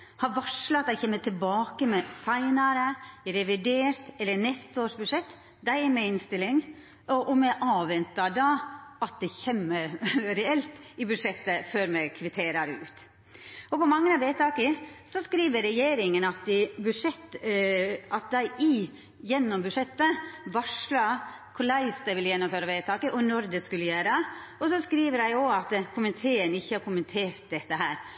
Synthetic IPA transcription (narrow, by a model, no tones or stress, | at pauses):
hɑɾʋɑʂlɑɑt̪æɪçɛːmːət̪ʰɪlbɑːkəmɛsæɪnɑɾəɾɛʋɪd̪eːɾt̪ɛlːənɛst̪əoːʂbʉʂɛt̪ː | d̪æɪmɛɪnst̪ɪlːɪŋ | ɔʔɔmɛʔɑːʋɛnt̪ɑd̪ɑɑt̪̚d̪ɛçɛmːəɾɾɛɛlt̪ɪbʉd̪ʂɛt̪ːəføɾmɛkʰʋɪt̪ʰeːɾɑɾəʉ̰ːt̪ | ɔpɔmɑŋːənɑʋeːt̪ʰɑːkəsɔskɾiːʋəɾɛjeːɾɪŋənɑt̪ɪbʉʂɛt̪ː | ʔɑt̪̚d̪æɪʔɪ | jɛnːɔmbʉʂɛt̪ːəʋɑʂlɑ | kʰʊlæɪst̪d̪ɛʋɪljɛnːɔmføːɾɑʋeːt̪ɑːkəʔɔnɔɾd̪ɛskʉlːəjæːɾəɔsɔskɾiːʋəɾæɪɔɑt̪kʰʊmənt̪ʰeːənɪçːəhɑɾkʊmənt̪ʰeːɾt̪̚d̪ɛt̪ːəɦæːɾ